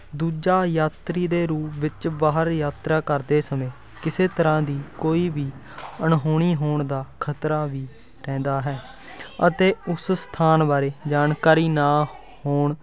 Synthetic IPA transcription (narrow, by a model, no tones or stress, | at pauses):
d̪uːd͡ʒaːjaːt̪ɾiːd̪eːɾuːpʋɪt͡ʃbaːɦəɾjaːt̪ɾaːkəɾd̪eːsəmẽː | kɪseːt̪əɾãːd̪iːkoːiːbiː | əɳɦoːɽ̃iːɦoːɳd̪aːkʰət̪ɾaːʋiː | ɾɛ̃ːnd̪aːɦɛː | ət̪eːʊsst̪ʰaːnbaːɾeːd͡ʒaːnkaːɾiːnaː | hoːɳ